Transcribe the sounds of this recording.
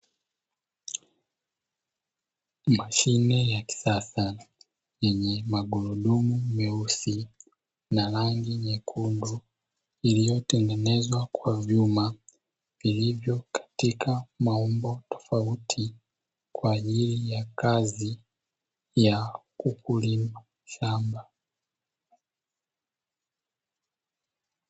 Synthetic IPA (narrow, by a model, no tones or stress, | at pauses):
maʃinɛjaki̥sasa | jɛɲɛmaɠuɾuɗumumɛusi | naɾaŋɡiɲɛkʰundu | ilijɔtɛŋɡɛnɛzwakwavjuma | vilivjɔkḁtikʰamaɔmbɔtɔ̥fautʰi | kwaːʄilijakazi | jakukulima | ʃamba